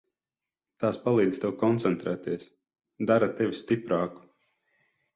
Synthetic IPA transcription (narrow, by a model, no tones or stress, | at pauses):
t̪aːspalˠiːd̪z̥ʲt̪ewkɔnt̪sɛnt̪ɾɛːt̪iɛs | d̪aɾat̪ɛvʲist̪ipɾaːku̥